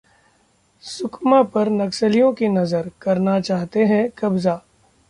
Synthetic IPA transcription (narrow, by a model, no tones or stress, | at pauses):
sʊkʰmapɐɾnɐksəlijõkinɐzəɾkɐɾnat͡ʃaːɦt̪eɦɛ̃kɐbzaː